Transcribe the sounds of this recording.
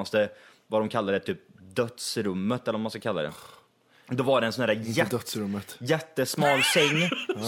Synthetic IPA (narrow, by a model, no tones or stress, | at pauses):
ast̪ə | vad̪ɔmkʰalːad̪ɛt̪ʰyːp̚d̪œt̪sɾɵmːət̪ɛləɾvɔmanskakʰalːa̰d̪ɛ̰ | d̪ɔvaɖɛɛnsɔnhæːɾaɛd̪t̪sɾɵmːət̪jɛt̪ːəsmɑːlsɛŋː